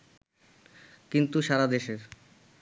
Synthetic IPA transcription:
kint̪uʃaɾad̪eʃeɾ

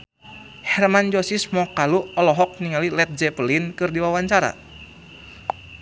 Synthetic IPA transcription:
hɛrmand͡ʒɔsismɔkaluɔlɔɦɔk̚niŋalilɛt̪̚d͡ʒɛpəlinkɨrdiwawaɲt͡ʃaɾa̰

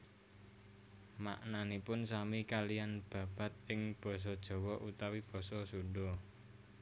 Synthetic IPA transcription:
ma̰ʔnanipʊnsamikalijanb̥ä̤b̥ä̤t̪̚ɪŋb̥ɔ̤s̬ɔd̥ʒ̥ɔ̤wɔʔut̪awib̥ɔ̤sɔsuɖɔ

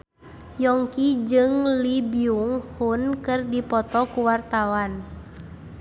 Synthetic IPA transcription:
jɔŋkid͡ʒɨŋlibiuŋhunkɨrdipɔt̪ɔkuwart̪awan

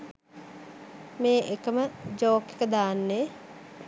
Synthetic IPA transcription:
meːʔekəməd͡ʒoːkekəd̪aːnːe

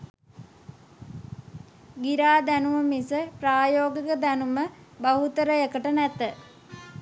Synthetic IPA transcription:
ɡiɾaːd̪ænuməmisəpraːjoːɡikəd̪ænuməbaɦut̪əɾəekəʈənæt̪ə

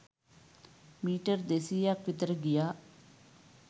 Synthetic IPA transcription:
miːʈəɾd̪esijakʋit̪ɾəɡijaː

